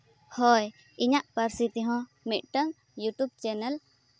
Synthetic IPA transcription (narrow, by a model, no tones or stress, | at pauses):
hɔj | iɲaʔpəɾsit̪iɦɔ̃ | mit̪̚ʈəŋ | juʈub̚t͡ʃɛnɛl